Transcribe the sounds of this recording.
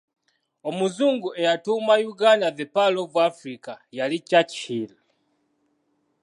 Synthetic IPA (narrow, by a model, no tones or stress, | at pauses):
omuzuŋɡuʔɛjatumajuɡandaðɛpalovwafɾikajalicat͡ʃila